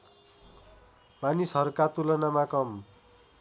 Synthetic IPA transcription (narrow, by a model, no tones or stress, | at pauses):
manisɦʌɾukat̪ulʌnamakʌm